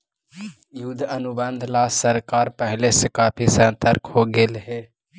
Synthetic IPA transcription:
jud̪ʱənʊbə̃nd̪ʱlasəɾkaːɾpəɦlesekaːpʰisə̃nt̪əɾkʰɦoɡelɦe

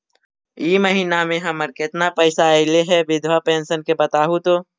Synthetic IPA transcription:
iːməɦiːnamẽɦəməɾkɪt̪napəɪsaɪleɦɛʋɪd̪ʱʋapẽːnsənkebət̪aːɦut̪oː

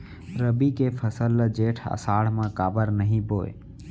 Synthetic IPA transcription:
ɾəbikepʰəsəlːəd͡ʒeːʈʰə̰saːɽ̤mãkaːbəɾnəɦĩpoːḛ

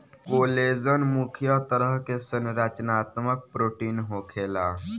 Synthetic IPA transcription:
koːlezənmukʰjat̪əɾəɦkesənɾat͡ʃnaːt̪mək̚pɾoːʈiːnɦoːkʰeːla

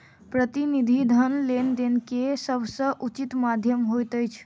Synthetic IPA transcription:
pɾət̪inid̪ʱid̪ʱənlend̪enkesəbʱsə̃ʔut͡ʃit̪mad̪ʱjəmɦojt̪əjt͡ʃʰ

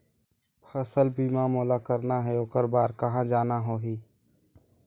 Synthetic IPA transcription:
pʰɐsəlbʱiːmaːmoːlakəɾnaɦɛoːkəɾbaːɾkɐɦãd͡ʒaːnaɦoːɦiː

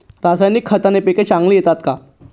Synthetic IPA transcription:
ɾasajnikʰːət̪anepeket͡ɕãŋɡlijet̪at̪ka

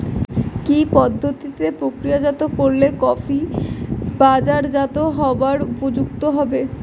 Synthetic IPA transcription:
kipɔd̪ʱːot̪it̪epɾokɾiad͡ʑat̪okoɾlekɔfʰi | bad͡ʑaɾd͡ʑat̪oɦɔaɾupod͡ʑuk̚t̪oɦɔbe

